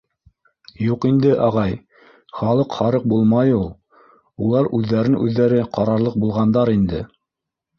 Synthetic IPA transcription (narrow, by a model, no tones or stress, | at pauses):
juqind̪ɘʔɑʁɑj | χɑlˠɤqχɑɾɤq̚bulˠmɑjulˠ | ulˠɑɾʔʉðːæɾɘnʔʉðːæɾɘqɑɾɑɾlˠɤq̚bulˠʁɑnd̪ɑɾind̪ɘ̰